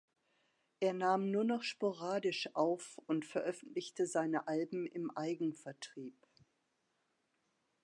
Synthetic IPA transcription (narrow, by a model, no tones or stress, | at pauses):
ʔeːɐnaːmnuːɐnɔχʃpoʁaːdɪʃʔaʊfʊntfɛɐʔœfn̩tlɪçtəzaɪnəʔalbm̩ɪ̰mʔaɪɡŋ̩fɛɐtʁ̥iːp